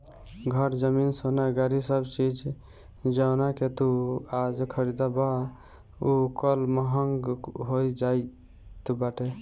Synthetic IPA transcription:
ɡʱəɾd͡ʒəminsonaɡaɾisəbt͡ʃid͡ʒ | d͡ʒawnaket̪uad͡ʒkʰəɾid̪aba | ukəlməɦəŋɡɦojd͡ʒaj | t̪ubaʈe

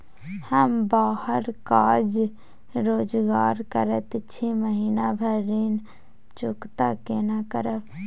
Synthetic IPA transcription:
həmbaːhəɾkaːd͡ʒ | ɾoːd͡ʒɡaːɾkəɾət̪ːʃʰiməɦiːnabʱəɾiːn | t͡ʃʊkt̪akeːnakəɾə

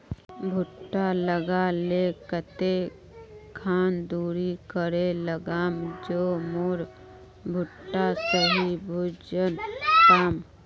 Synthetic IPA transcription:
bʱʊʈːaləɡalekət̪e | kʰaːnd̪uːɾikəɾeləɡaːmd͡ʒoːmʊɾ | bʱʊʈːasəɦibʱuːd͡ʒənkaːm

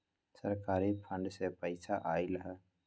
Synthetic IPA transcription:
səɾkaːɾipʰə̃ɳɖsepəɪsaʔaːɪlɦɛː

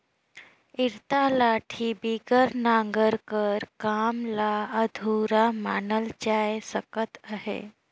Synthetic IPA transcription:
iɾt̪alaʈʰibiɡəɾnaŋɡəɾkəɾkamlaəd̪ʱuɾamanəlt͡ʃajesəkət̪aɦḛ

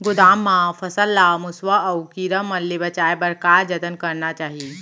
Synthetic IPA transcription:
ɡʊd̪aːmːãpʰɐsəlːamʊswəːwkiɾəmːɐnlːebɐt͡ʃaːebɐɾkaːɾd͡ʒɐt̪ənkɐɾnat͡ʃaːɦi

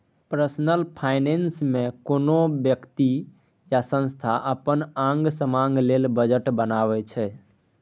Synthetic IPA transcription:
pɾəsnəlpʰajnensmẽkonobjəkt̪i | jasə̃nst̪ʰaʔəpənãŋɡsəmaŋɡlelbəd͡ʒəʈbənaβɛt͡ʃʰɛ

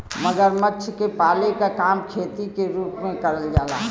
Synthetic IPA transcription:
məɡəɾmətːʃʰkepaːlekakaːmkʰeːt̪ikeɾuːpmẽkɐɾəld͡ʒaːlaː

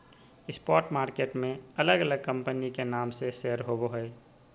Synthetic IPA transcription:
ɪspɔːɾʈmaːɾkeːʈmẽələɡələɡ̚kə̃mpənikenaːmseʃeːəɾɦoboɦoe

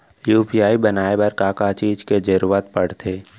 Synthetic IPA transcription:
juːpijaːibɐnaːebɐɾkaːkat͡ʃiːd͡ʒked͡ʒəɾuːɾat̪̚pɐɽt̪ʰeː

